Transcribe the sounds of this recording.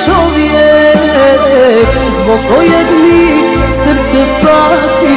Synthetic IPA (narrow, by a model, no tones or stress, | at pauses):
t͡ʃɔviɛ | zbɔkɔjɛd̪li | səɾt̪sɛt̪at̪i